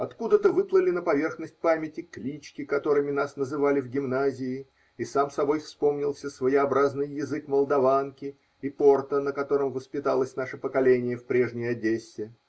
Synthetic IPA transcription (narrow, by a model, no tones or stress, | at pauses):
ɐt̪kud̪ət̪əvɨplˠəlʲɪnəpɐvʲe̞rxnəsʲt̚ʲpamʲɪtʲɪklʲit͡ɕkʲɪkɐt̪o̞ɾɨmʲɪnasnəzɨvalʲɪvɡʲɪmnazʲɪɪ | isamsɐbo̞jfspo̞mnʲɪlˠsʲəsvəjɪɐbɾaznɨjːɪzɨkməlˠd̪ɐvankʲɪ | ipo̞rt̪ənəkɐt̪o̞ɾəmvəspʲɪt̪alˠəsʲnaʂəpəkɐlʲenʲɪjəfpɾʲe̞ʐnʲɪjɐdʲesʲːɪ